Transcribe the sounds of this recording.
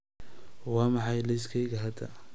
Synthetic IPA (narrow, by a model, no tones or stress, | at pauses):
wɑːmɑħɑjlɛjskʰɛjɣɐɦɐd̪ɐ̰